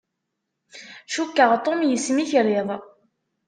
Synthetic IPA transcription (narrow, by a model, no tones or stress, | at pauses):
ʃukːəʁt̪ˤomjəsmiçɾeðˤ